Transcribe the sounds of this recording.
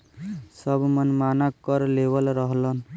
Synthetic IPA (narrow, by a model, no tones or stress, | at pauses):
səbʱmənmanakəɾlebəlɾəɦlən